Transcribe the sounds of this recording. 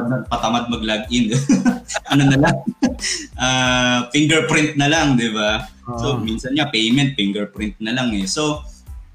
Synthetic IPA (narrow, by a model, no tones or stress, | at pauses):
d̪̚mɐɡ̚pɐt̪ɐmad̪̚mɐɡ̚laɡ̚ʔɪn | ʔɐnonɐlaŋ | ʔaːfiŋɡɛɹpɾɪnt̪̚nɐlaŋd̪ɪbaso̞minsɐnɲapɛjmɛnt̪̚fɪŋɡɛɹpɾɪnt̪̚nɐlaŋɛso̞